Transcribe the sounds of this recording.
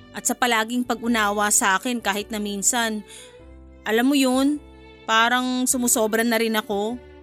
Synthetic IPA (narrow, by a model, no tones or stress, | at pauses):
ʔɐt̪̚sɐpɐlaːɡɪŋpɐɡʔʊnaːwɐsɐʔaːkɛnkaːhɪt̪̚nɐminsɐn | ʔɐlamːojon | paːɾɐŋsʊmʊso̞ːbɾɐnɐɾɪnɐko̞